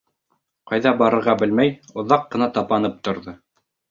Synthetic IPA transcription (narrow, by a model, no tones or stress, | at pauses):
qɑjðɑbɑɾɤ̆ɾʁɑbɘlmæjŏðɑqːɤ̆nɑt̪ɑpɑnɤp̚t̪ŏɾðɤ